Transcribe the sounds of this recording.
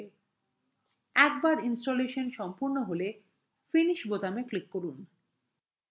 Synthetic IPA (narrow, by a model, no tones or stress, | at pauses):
ɛkbaɾinsʈoleʃonʃɔmpuɾnoɦole | finiʃbot̪ameklikːoɾun